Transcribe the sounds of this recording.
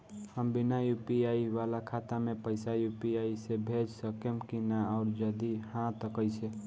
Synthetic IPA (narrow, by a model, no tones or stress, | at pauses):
həmbinajupiaiʋalakʰat̪amẽpəɪsajupiaisebʱed͡ʒsəkemkinaɔʊɾd͡ʒəd̪ihãt̪əkəjt͡ʃʰe